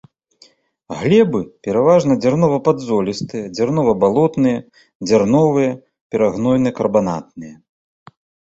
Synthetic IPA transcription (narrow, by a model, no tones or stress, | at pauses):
ɣlʲɛbɨpʲɛɾavaʐnɐd͡zʲarnɔvɐpad̪zɔlʲist̪ɨjɐd͡zʲarnɔvɐbalˠɔt̪nɨjɐ | d͡zʲarnɔvɨjɐ | pʲɛɾaɣnɔjnɨkɐrbana̰t̪̚nɨjɐ